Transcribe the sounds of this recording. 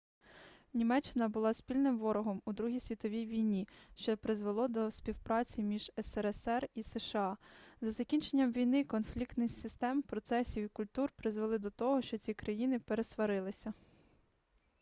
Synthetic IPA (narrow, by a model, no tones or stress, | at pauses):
nʲimɛt͡ʃːɪnɐbʊlˠɑspʲilʲnɪmʋɔɾɔɦɔmud̪ɾuɦʲijsʲʋʲit̪ɔʋʲijʋʲijnʲiʃt͡ʃɔpɾɪzʋelˠɔd̪ɔsʲpʲiwpɾɑt͡sʲimʲiʒ̥ɛsɛɾɛsɛriseʃeɑzɐzɐkʲinʲt͡ʃenʲːɐmʋʲijnɪkɔnflʲikt̪nɪxsʲɪst̪ɛmpɾɔt̪sɛsʲiwikʊlʲt̪urpɾɪzʋelˠɪd̪ɔt̪ɔɦɔʃt͡ʃɔt͡sʲikɾɐjinɪpeɾesʋɐɾɪlˠɪsʲɐ